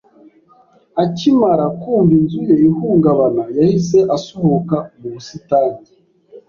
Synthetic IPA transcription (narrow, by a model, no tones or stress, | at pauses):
acimaɾakuːmbinzujeihuːŋɡaβanajahise̞ʔasohokamuβusitaːni